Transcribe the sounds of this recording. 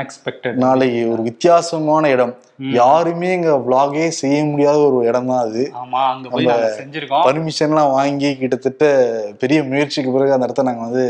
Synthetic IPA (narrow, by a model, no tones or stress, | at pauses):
ksɛk̚ʈnaːlɐkɯɔɾɯʋɪt̪ːɪjaːsɐmaːnɐɪɽɐm | jaːɾɯmeːɛŋɡɐbɭaːɣeːsɛjːɐmʊɽɪjaːðɐɔɾɯɪɽɐnd̪ãːɐðɯːnɐmbɐɲd͡ʒɪɾkːpɐɾmɪʂɐnɐlãːʋaːŋɡikɪʈːɐt̪ːɯʈːɐpɛɾɪjɐmʊjɐɾt͡ʃikːɯpɪɾɐɣɯɐnd̪ɐɽɐt̪ɯlnaːŋɡɐʋɐnd̪ɯ